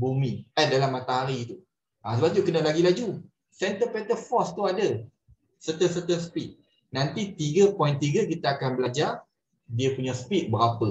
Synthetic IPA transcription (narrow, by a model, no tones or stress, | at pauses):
bumiadalamːãt̪aɦaɾiːt̪u | ʔasəbaʔ̚ɲukənalaɡilad͡ʒu | sɛnt̪əpɛnt̪əfɔst̪uadə | sət̪əsət̪əsə̥pit̪̚ | nãnt̪it̪iɡəpɔjĩnt̪iɡək̬it̪aakanbəlad͡ʒar | diəpuɲasə̥pit̪̚bəɾapə